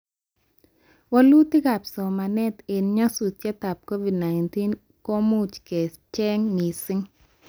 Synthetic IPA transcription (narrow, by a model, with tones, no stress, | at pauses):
wa˦lu˦t̪ɪ˦ɡa˨psɔ˨ma˨nɛ˦t̪e˨nɲɔ˦su˨t̚t͡ʃɛ˦t̪a˨p̚ko˦vi˨dna˨ɪnti˦n | ko˦mu˦t͡ʃkɛ˨st͡ʃɛ˦ŋni˨sɪ˦ŋ